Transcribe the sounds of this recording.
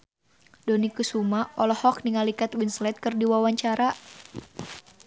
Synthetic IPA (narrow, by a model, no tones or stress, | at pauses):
dɔnikusumaɔlɔhɔk̚niŋalikat̪winslɛt̪̚kɨrdiwawaɲt͡ʃaɾa